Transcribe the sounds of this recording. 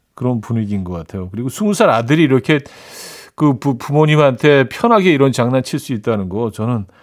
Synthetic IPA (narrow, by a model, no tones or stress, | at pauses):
kɯɾʌnpuniɡinɡʌk͈atʰe̞jokɯɾiɡosʰumusʰaɾadɯɾiːɾʌkʰe̞ | kɯpupumoɲimɦantʰe̞pʰjʌnɦaɡe̞iɾʌnt͡ɕaŋnant͡ɕʰiɭs͈uit̚t͈anɯnɡʌt͡ɕʌnɯn